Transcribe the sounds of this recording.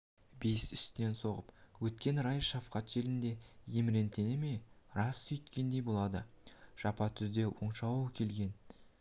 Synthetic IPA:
bejsʏ̥st̪ɪne̞nso̞ʁəpwɵt̪̚kʲe̞nɾɑjʃɑfqɑt̪ʒ̥e̞lɪnd̪e̞jemɪɾe̞nt̪e̞nɪme̞ɾɑsːʏjt̪kʲe̞nd̪e̞jbo̞lˠɑd̪ə | ʒ̥ɑpɑt̪ʰʏzd̪e̞wo̰ɴʃɑwkʲʰe̞lɡʲe̞n

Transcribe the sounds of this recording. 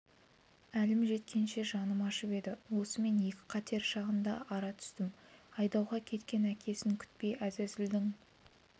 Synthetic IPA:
ælɪmʒe̞t̪kʲe̞nʃe̞ʒɑnəmɑʃəpe̞d̪ɪwo̞səme̞nje̞kʲɪ̥qʰɑt̪ʰe̞ɾʃɑʁənd̪ɑ̰ʔɑɾɑt̪ʰʏ̥st̪ɪmɑjd̪ɑwʁɑkʲʰe̞t̪kʲe̞nækʲʰe̞sɪŋkʲʰʏ̥t̪̚pe̞jæzæzɪld̪ɪŋ

